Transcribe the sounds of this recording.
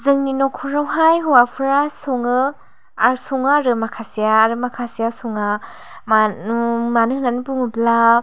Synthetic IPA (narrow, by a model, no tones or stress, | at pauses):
zɯŋninɔkʰuɾawɦajɦuwapʰɯɾasɔŋɯ | aɾsɔŋaɾɯmakʰasijaːɾɯmakʰasijasɔŋa | m | manɯhnanibuŋɯbla